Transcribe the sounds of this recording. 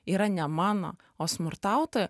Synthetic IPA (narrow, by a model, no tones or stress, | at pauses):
iːɾɐnʲɛmɑːno̰ː | oːsmʊɾt̪ɑʊt̪oːjɛ